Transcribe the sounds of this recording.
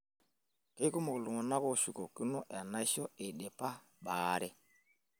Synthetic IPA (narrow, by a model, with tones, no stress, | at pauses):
ke˦i˦ku˦mo˨klu˨ŋɔ˨na˦ko˦˨ʃu˨ko˨ki˦nɔ˦ʔa˨na˦ʃɔ˦e˨ɗe˨pa˦ | ɓaː˦ɾɛ˦